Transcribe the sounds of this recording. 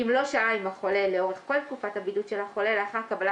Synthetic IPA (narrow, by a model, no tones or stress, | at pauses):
imlo̞ʃaaimaχo̞le̞leo̞ʁeχko̞lt̪̚kufatabidutʃelhaχo̞le̞leaχaʁkabala